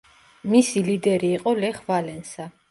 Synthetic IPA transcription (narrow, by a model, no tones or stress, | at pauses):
misilid̪ɛɾiːqʼɔlɛχvalɛnsa